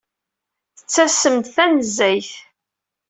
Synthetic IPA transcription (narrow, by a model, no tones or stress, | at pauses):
θət͡sːæsəmt̪θænəzːæjθ